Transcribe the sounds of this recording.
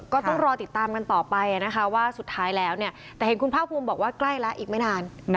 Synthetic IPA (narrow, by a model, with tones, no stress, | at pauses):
kɔː˥˩ɔ˥˩ŋɾɔː˧t̪i˨˩t̪ːaː˧mka˧nt̪ɔː˨˩pa˧jʔa˨˩na˦˥kʰa˦˥waː˥˩su˨˩t̪ʰːaː˦˥jlɛː˦˥wni˥˩ɐ | t̪ɛː˨˩he˩˦ku˧npʰaː˥˩p̚ʰːu˧mbɔː˨˩k̚waː˥˩kla˥˩jlɛ˦˥ʔiː˨˩k̚ma˥˩jnaː˧n